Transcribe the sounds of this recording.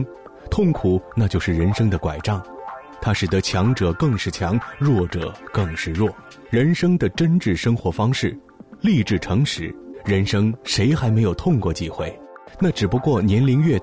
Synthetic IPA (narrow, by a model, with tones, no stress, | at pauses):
t̪ʰʊ˥˩ŋkʰu˨˩˦na˥˧t͡ɕjo˥˧ʊʂɻ̩˥˩ɻə˧˥nʂɤ˥ŋd̪ə˨kwa˨˩ɪʈ͡ʂɑ˥˩ŋ | t̪ʰa˥ʂɻ̩˨˩t̪ə˧˥t͡ɕʰjɑ˧˥ŋʈ͡ʂɤ˨˩kɤ˥˧ŋʂɻ̩˥˩t͡ɕʰjɑ˧˥ŋɻwɔ˥˩ʈ͡ʂɤ˨˩kɤ˥˧ŋʂɻ̩˥˧ɻwɔ˥˩ | ɻə˧˥nʂɤ˥ŋd̪ə˨ʈ͡ʂə˥nʈ͡ʂɻ̩˥˩ʂɤ˥ŋxwɔ˧˥fɑ˥ŋʂɻ̩˥˩ | li˥˧ʈ͡ʂɻ̩˥˩ʈ͡ʂʰɤ˧˥ŋʂɻ̩˧˥ɻə˧˥nʂɤ˥ŋʂe˧˥ɪxa˧˥ɪme˧˥ɪjo˨˩ʊt̪ʰʊ˥˧ŋkwɔ˥˩t͡ɕi˥˧xwe˥˩ɪna˥˩ʈ͡ʂɻ̩˨˩pu˧˥kwɔ˥˩njɛ˧˥nli˧˥ŋɥɛ˥˧